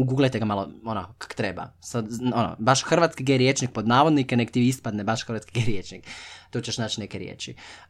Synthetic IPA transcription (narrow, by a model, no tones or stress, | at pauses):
uɡuːɡlˠet̪eɡamalˠo̰onokḁko̥t̪ɾeba̰sad̪ono̰baʃxr̩ʋat̪skiɡeɾjet͡ʃnik̚pod̪naːʋod̪nikenekt̪iʋiispad̪nebaʃxər̩ʋat̪skiɡeɾjet͡ʃnikt̪oːt͡ɕeʃnaːt͡ʃinekeɾjḛːt͡ʃi